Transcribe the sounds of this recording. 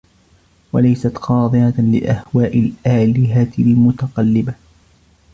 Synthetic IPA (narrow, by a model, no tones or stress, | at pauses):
walajsat̪qɑːd̪ˤɨhalɪ̰ʔahwaːʔɪlʔaːlɪɦat̪lmʊt̪ɑqɑlːɪba